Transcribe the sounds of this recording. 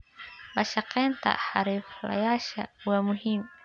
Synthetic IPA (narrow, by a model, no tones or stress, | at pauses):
baʃaqɛnta̰haɾifla̰jaʃauwamuhimu